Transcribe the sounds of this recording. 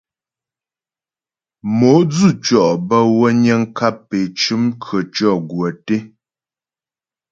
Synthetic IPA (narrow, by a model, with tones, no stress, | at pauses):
mo˨˦d͡zʉ˦˨t͡ʃɔ˨ʔbə˦wə˦ɲə˦ŋ̩˦ka˦˨pːe˨t͡ʃʉ˦mkʰə˨t͡ʃɔ˦˨ɡwə˨te˦